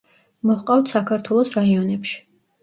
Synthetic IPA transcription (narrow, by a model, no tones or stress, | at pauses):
mɔhqʼawt̪ʰsakʰaɾt̪ʰwɛlˠɔsɾaiɔnɛpʃi̥